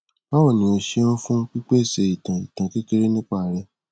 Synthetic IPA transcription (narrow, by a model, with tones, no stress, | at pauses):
ba˦wɔ˦˨nĩ˨o˧ʃe˦ɔ̃˦fũ˦k͡pi˦k͡pe˦˨se˨i˨tã˨ḭ˨tã˨ke˦ke˦ɾe˦nĩ˦k͡pa˦˨ɾɛ˧